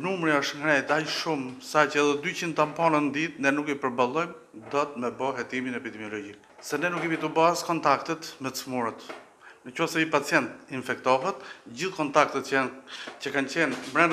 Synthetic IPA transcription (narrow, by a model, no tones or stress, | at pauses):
numɾiɔʃŋɡɾɛjt̪ajʃumsacəɛðɛd̪yt͡ɕind̪t̪ampɔnənd̪it̪nɛnukipəɾbalˠɔjm | d̪ɔt̪mɛbɔɦɛt̪iminɛpid̪ɛmjɔlɔd͡ʑik̚ | sɛnɛnukːɛmit̪ubaskɔnt̪akt̪ɛt̪mɛt͡smuɾət̪ | nəcɔsɛipat͡sjɛnt̪infɛkt̪ɔɦɛt̪d͡ʑiθkɔnt̪ak̚t̪ɛt̪ | cəkant͡ɕɛnmɾɛn